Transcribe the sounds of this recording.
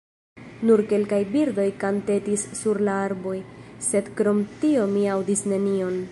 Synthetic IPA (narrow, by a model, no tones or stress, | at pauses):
nuɾke̞lkajbiɾdo̞jkante̞tisːuɾlaaɾbo̞jse̞dkɾo̞mtio̞miawdisne̞nio̞n